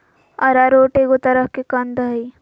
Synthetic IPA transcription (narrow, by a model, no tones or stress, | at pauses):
ɐɾaɾoːʈeɡot̪ɐɾəɦkekɐnd̪əi